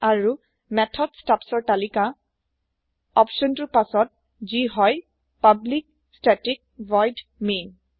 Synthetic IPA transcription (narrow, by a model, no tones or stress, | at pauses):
aɹu | mɛtʰɔdstapsɔɹtalika | ɔpʃɔntuɹpasɔt̚ | ziɦɔj | pablik̚ | stɛtik̚vɔjdmin